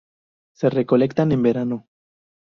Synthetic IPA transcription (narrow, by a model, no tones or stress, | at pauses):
se̞re̞ko̞lekt̪ane̞mbe̞ɾano̞